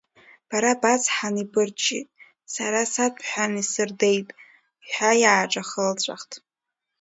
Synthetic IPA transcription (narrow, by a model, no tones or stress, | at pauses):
b̥aɾabat͡sħanibɨrt͡ʃʼḭtʼ | saɾasapʰħʷᶣanisɨrde̞jtʼ | iħʷᶣajaːʈ͡ʂʼaχəlt͡ɕʷʼa̰χtʰʼ